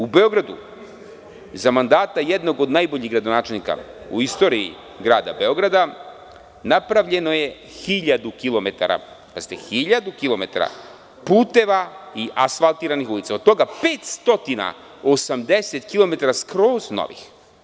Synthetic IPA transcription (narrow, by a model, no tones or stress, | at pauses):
ubeo̞ɡɾad̪ṵ | zamand̪aːt̪ajed̪no̞ɡod̪najboʎiɣɡɾad̪onaːt͡ʃelnika̰ṵist̪o̞ːɾii | ɡɾaːd̪a̰be̞o̞ɡɾad̪a | napɾaʋʎe̞no̞je̞ | xiʎad̪ukilˠo̞met̪a̰ɾa̰ | pazit̪ḛxiʎad̪ukilˠo̞me̞t̪a̰ɾa̰ | puːt̪e̞ʋaiʔasfalˠt̪iːɾanixulit̪saod̪̚t̪o̞ɡapeːt̪st̪o̞t̪ina̰ | o̞samd̪eset̪kilˠo̞me̞t̪aɾaskɾoːzno̰ʋḭx